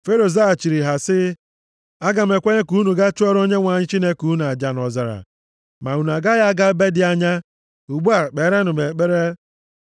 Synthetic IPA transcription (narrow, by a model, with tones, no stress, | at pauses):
fe˦ɾo˨za˦a˨t͡ʃi˨ɾi˨ɦa˨sɪ˦ | a˦ɡa˨m̩˨e˨kʷe˦ɲe˦ku˨˦nu˨ɡa˦t͡ʃʊ˦ɔ˦ɾo˦ɲe˦ŋʷa˨ɲɪ˦t͡ʃi˦ne˦ku˨˦n˨a˨d͡ʒa˨n˨ɔ˨za˨ɾa̰˨ | ma˨u˨nu˨a˨ɡa˦ja˦ɡa˦be˦dɪ˨a˦ɲa˦ | u˨ɡ͡bu˦a˨k͡pe˨˦ɾe˦nʊ˨me˨k͡pe˦ɾe˦